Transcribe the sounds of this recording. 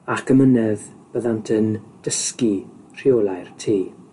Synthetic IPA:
akʰəmənɛðb̥əðantʰənd̥əskir̥ɪoːlˠajrtʰiː

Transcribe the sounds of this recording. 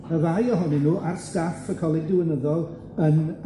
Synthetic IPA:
əvajɔɦɔninuːʔarstafəkʰɔlˠɪdɪwənəðɔlˠ | ən

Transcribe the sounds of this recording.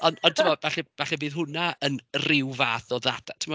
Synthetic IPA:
ɔnɔntʰɪmɔvɛχɛvɛχɛbiːðɦʊnaənrɪwvaːθɔðadatʰɪmɔ

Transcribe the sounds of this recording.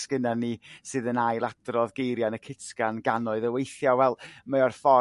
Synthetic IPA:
skɪnanisɨːðənajlˠadrɔðɡejɾjanəkʰɪtkanɡanɔɨðəwejθjawɛlˠməarfɔ

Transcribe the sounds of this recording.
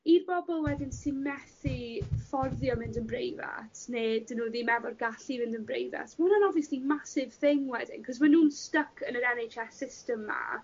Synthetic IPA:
irbɔbɔlˠwɛdɪnsɪmɛθifɔrðjɔmɪndənbrejva̰tneːdɪnuːðimɛvɔrɡaɬimɪndənbrejva̰tmʊnanɔvjəslimasɪv̥θɪŋwɛdɪ̰ŋkʰɔzmanuːnstəkʰənəɾɛnejt͡ʃɛsɪstəmːa̰

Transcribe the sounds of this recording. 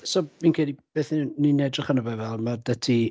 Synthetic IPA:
sɔminkʰɛdib̥eːθnininɛdrɪχanəvɛvɛlˠmadətʰi

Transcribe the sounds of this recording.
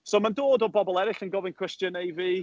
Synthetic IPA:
soːmandoːdɔbɔbɔlˠɛɾɪɬənɡɔvɪnkʰɹ̥ɪstjənejviː

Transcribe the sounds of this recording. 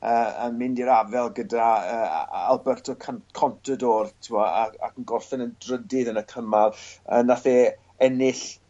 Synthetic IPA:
əːə̰nmɪndiɾavɛlˠɡədaəːa̰lˠbɛrtʰɔkʰankʰɔntʰədɔːrtʰɪwɔaa̰kənɡɔrθɛnəndrədɪðənəkʰəmarənaθɛ | ɛnɪɬ

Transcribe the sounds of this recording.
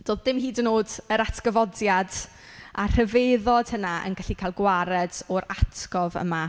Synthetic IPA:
d̥oːðdɪmhiːdənoːdəɾatʰɡ̥əvɔdjad | ʔar̥əveðɔd̥hənaʔə̰nɡaɬikʰajlˠɡwaɾɛdɔɾatʰɡ̥ɔvə̰ma

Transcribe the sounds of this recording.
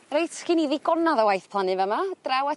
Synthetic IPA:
rejtʰkiniðɪɡɔnaðəwajθpʰlˠanɨvəmad̥rawa

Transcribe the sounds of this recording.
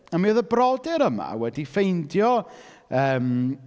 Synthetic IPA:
ameːðəbrɔdɪɾəma̰wɛdifejndjɔəːm

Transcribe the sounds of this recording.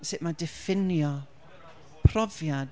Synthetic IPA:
sɪʔmadɛfɪnjɔ | pʰrɔvjad

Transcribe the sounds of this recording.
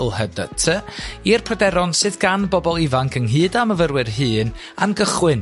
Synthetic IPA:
lˠhədətʰəirpʰrədɛɾɔnsɨðɡanbɔbɔlˠivaŋkʰəŋɦɨːdaməvərwɨrɦɨːn | a̰nɡəχwɪn

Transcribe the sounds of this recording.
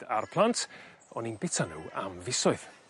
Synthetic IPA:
d̥arpʰlˠantʰ | ɔninbɪtʰanṵːa̰mvɪsɔɨð

